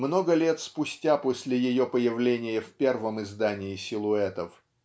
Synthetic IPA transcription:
mno̞ɡəlʲe̞t̪spʊsʲtʲapo̞sʲlʲɪjɪjo̞pəjɪvlʲenʲɪjəfʲpʲe̞rvəmɪzd̪anʲɪɪsʲɪlˠʊɛt̪əf

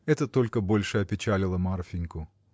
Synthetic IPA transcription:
ɛt̪ət̪o̞lʲkəbo̞lʲʂɨɐpʲɪt͡ɕælʲɪlˠəmarfʲɪnʲkʊ

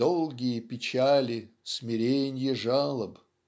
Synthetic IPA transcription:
olˠɡʲɪjəpʲɪt͡ɕalʲɪ | sʲmʲɪɾʲenʲjəʐalˠəb

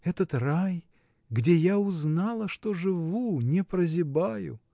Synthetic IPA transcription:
ɛt̪ət̪raj | ɡdʲejaʊznɑlˠəʂt̪oʐɨvunʲɪpɾəzʲɪbajʊ̰

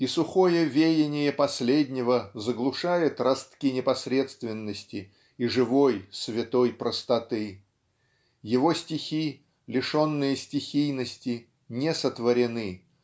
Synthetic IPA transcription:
isʊxo̞jəvʲejʲɪnʲɪjəpɐsʲlʲedʲnʲɪvəzəɡlˠʊʂajɪt̪rɐst̪kʲinʲɪpɐsʲɾʲe̞t̪st̪vʲɪnːəsʲtʲɪ | iʐɨvo̞jsvʲɪt̪o̞jpɾəst̪ɐt̪ɨ | jɪvo̞sʲtʲɪxʲi | lʲɪʂo̞nːɨjəsʲtʲɪxʲijnəsʲtʲɪ | nʲesət̪vəɾʲɪnɨ

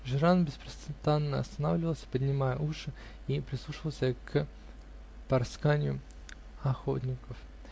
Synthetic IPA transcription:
ʐɨɾanbʲɪspɾəst̪ɨnt̪anːəɐst̪ɐnavlʲɪvəlˠsʲə̥pədʲnʲɪmajə̰ʔuʂɨ | ipɾʲɪslˠuʂɨvəlˠsʲək | pɐrskanʲɪjʊ | ɐxo̰t̪ʲnʲɪkəf

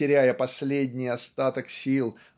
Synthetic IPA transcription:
ɪɾʲæjəpɐsʲlʲed̪ʲnʲɪjɐst̪at̪əksʲilˠ

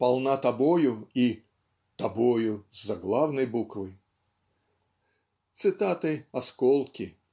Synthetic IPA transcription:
pɐlˠnat̪ɐbojʊi | t̪ɐbojʊzːɐɡlˠawnɐjbukvɨj | t̪sɨt̪at̪ɨɐskɔlˠkʲɪ

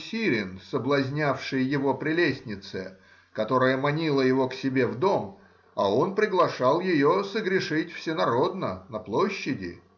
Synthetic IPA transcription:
sʲiɾʲɪnsəblˠɐzʲnʲafʂɨjjɪvo̞pɾʲɪlʲesʲnʲɪt̪sɨ | kɐt̪o̞ɾəjəmɐnʲilˠəjɪvo̞ksʲɪbʲe̞vd̪o̞m | ao̞npɾʲɪɡlˠɐʂɑlˠjɪjosəɡɾʲɪʂɨtʲfsʲɪnɐɾo̞d̪nənɐplˠo̞ɕːɪdʲɪ̰

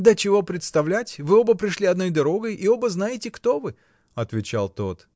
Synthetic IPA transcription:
d̪ət͡ɕɪvo̞pɾʲɪt̪st̪ɐvlʲætʲvɨo̞bəpɾʲɪʂlʲiɐd̪no̞jd̪ɐɾo̞ɡəjʔio̞bəznajɪtʲɪkt̪o̞vɨ | ɐt̪vʲɪt͡ɕa̰lˠt̪o̞t̪

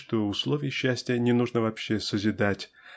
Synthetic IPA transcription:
ʂt̪oʊslˠovʲɪjɕːæsʲtʲɪjənʲɪnuʐnəvɐpɕːesəzʲɪd̪atʲ

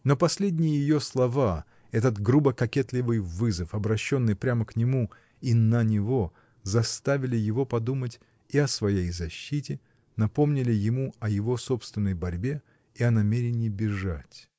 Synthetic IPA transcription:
no̞pɐsʲlʲedʲnʲɪjɪjɪjo̞slˠɐva | ɛt̪ət̪ɡɾubəkɐkʲet̪lʲɪvɨjvɨzəfɐbɾɐɕːo̞nːɨjpɾʲaməknʲɪmu | inənʲɪvo̞ | zɐst̪avʲɪlʲɪjɪvo̞pɐd̪umətʲ | iɐsvɐjejzɐɕːitʲɪ | nɐpo̞mnʲɪlʲɪjɪmuɐjɪvo̞so̞pst̪vʲɪnːəjbɐɾʲbʲe̞ | iɐnɐmʲeɾʲɪnʲɪːbʲɪʐatʲ

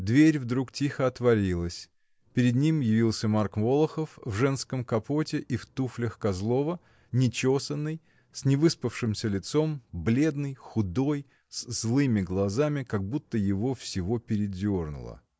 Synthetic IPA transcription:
d̪vʲeɾʲvd̪ɾuktʲixəɐt̪vɐɾʲilˠəsʲ | pʲɪɾʲɪd̪nʲimjɪvʲilˠsʲəmarkvo̞lˠəxəfvʐɛnskəmkɐpotʲɪʔift̪uflʲəxkɐzlˠo̞və | nʲɪt͡ɕo̞sənːɨj | sʲnʲɪvɨspəfʂɨmsʲəlʲɪt̪so̞mblʲe̞d̪nɨjxʊd̪o̞j | szlˠɨmʲɪɡlˠɐzamʲɪkɐɡ̚but̪ːəjɪvofsʲɪvo̞pʲɪɾʲɪdʲo̞rnʊ̰lˠə̰

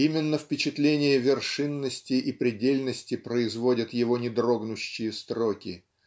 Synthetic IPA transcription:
imʲɪnːəfpʲɪt͡ɕɪt̪lʲenʲɪjəvʲɪrʂɨnːəsʲtʲɪʔipɾʲɪdʲelʲnəsʲtʲɪpɾəɪzvo̞dʲət̪jɪvo̞nʲɪd̪ɾo̞ɡnʊɕːɪjəst̪ɾokʲɪ

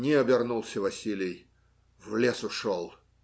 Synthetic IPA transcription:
nʲɪɐbʲɪrnulˠsʲəvɐsʲilʲɪj | vlʲesʊʂolˠ

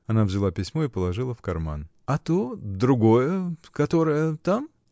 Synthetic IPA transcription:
ɐnavzʲɪlˠapʲɪsʲmo̞ɪpəlˠɐʐɨlˠəfkɐrma̰n | ɐt̪od̪ɾʊɡo̞jəkɐt̪o̞ɾəjət̪am

